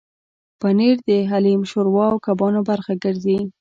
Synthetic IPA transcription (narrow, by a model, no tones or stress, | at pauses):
paniɾd̪əɦalimʃoɾwɑwkabɑnobaɾxaɡəɾzi